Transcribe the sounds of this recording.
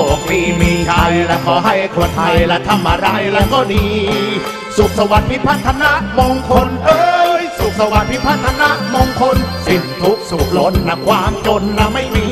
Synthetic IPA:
o˨˩k̚miː˧˩miː˧kʰa˧jlɛː˧˥kʰɔː˨˩˦ɦa˥˩jkʰuː˧˩ɐt̪ʰa˧jlɛ˧˥t̪ʰa˧mʔa˧ɾa˧˥˩jlɛː˧˥kɔː˥˩diː˧ | su˨˩k̚sa˧wa˨˦npʰi˦˧˥pʰa˧˥˩nt̪ʰa˧na˧˥ʔmoː˧ŋkʰo˧nʔɤː˧jsu˨˩k̚sa˧wa˨˦n̚pʰi˦˧˥pʰa˧˥˩nt̪ʰa˧na˧˥ʔmoː˧ŋkʰo˧nsi˧˩ŋt̪ʰu˦˥k̚su˨˩k̚lo˧˥n̚na˧˩kʰwaː˧˥mt͡ɕo˧nːa˧˥ma˥˩jmiː˧˥

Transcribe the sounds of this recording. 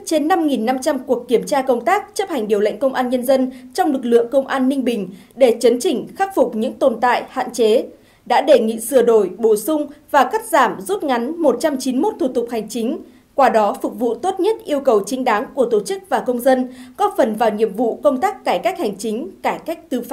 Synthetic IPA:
t͡ɕe˧nːa˧mŋi˨˩nːa˧mt͡ɕa˧mku˨˩əkːi˧˩əmt͡ɕaː˧kə˧wŋ͡mt̪aː˦˥k̚t͡ɕə˦˥p̚ha˨˩ŋ̟ɗi˨˩əwlə̰˧˨ŋ̟kə˧wŋ͡mʔaː˧nɲə˧nzə˧nt͡ɕɔ˧wŋ͡mlɨ˨˩k̚lɨ̰˧˨əŋkə˧wŋ͡mʔaː˧nːï˧ŋ̟ɓï˨˩ŋ̟ɗe˧˩t͡ɕə˨˦nt͡ɕï˧˩ŋ̟xa˦˥k̚fʊ˨˩k͡p̚ɲɨ̰˧˥ŋt̪o˨˩nt̪a̰ː˧˨jha̰ː˧˨nt͡ɕe˨˦ | ɗa̰ː˧˥ɗe˧˩ŋḭ˧˨sɨ˧˩əɗo˧˩jɓo˧˩sʊ˧ŋ͡mvaː˨˩ka˦˥t̚zaː˧˩mzu˦˥t̚ŋa˨˦nmo˨˩t̚t͡ɕa˧mt͡ɕi˨˦nmo˦˥t̚t̪ʰu˨˩t̪ʊ˨˩k͡p̚ha˨˩jŋ̟t͡ɕï˨˦ŋ̟ | kwaː˧ɗɔ˨˦fʊ˨˩k̚vṵ˧˨t̪o˦˥t̚ɲə˦˥t̚ʔi˧əwkə˨˩wt͡ɕï˨˦ŋ̟ɗa˨˦ŋku˧˩ət̪o˧˩t͡ɕɨ˦˥k̚vaː˨˩kə˧wŋ͡mzə˧nkɔ˨˦fə˨˩nvaː˨˩wŋḭ˧˨əmvṵ˧˨kə˧wŋ͡mt̪aː˦˥kːaː˧˩jkaː˦˥k̟̚ha˨˩jŋ̟t͡ɕï˨˦ŋ̟kaː˧˩jka˦˥jk̚t̪ɨ˧f

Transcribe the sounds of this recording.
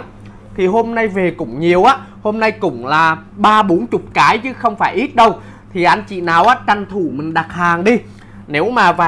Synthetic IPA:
t̪ʰi˨˩ɦo˧mna˧jve˨˩kʊ̰˧˥ŋ͡mɲi˨˩əwʔaː˨˦˥ | ho˧mna˧jkʊ̰˧˥ŋ͡mlaː˨˩ɓaː˧ɓo˨˦nt͡ɕʊ˨˩k͡p̚kaː˨˦jt͡ɕɨ˨˦xə˧wŋ͡mfaː˧˩jʔi˦˥t̚ɗə˧w | t̪ʰi˨˩ʔa˧jŋ̟t͡ɕḭ˧˨naː˨˩wʔaː˨˦t͡ɕa˨˩ŋt̪ʰu˧˩mï˨˩ŋ̟ɗa˨˩t̚haː˨˩ŋɗi˧ | ne˨˦wmaː˨˩vaː˨

